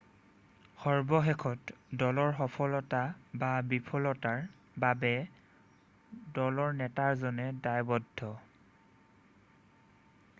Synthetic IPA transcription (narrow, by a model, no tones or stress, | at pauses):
xɔɹbɔxɛkʰɔtdɔlɔɹxɔpʰɔlɔtababipʰɔlɔtaɹ | babɛ | dɔlɔɹnɛtaɹzɔnɛdajbɔdʱːɔ